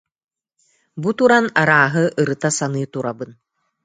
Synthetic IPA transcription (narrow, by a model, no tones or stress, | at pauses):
but̪uɾanaɾaːɦɯʔɯɾɯt̪asanɯjt̪uɾabɯn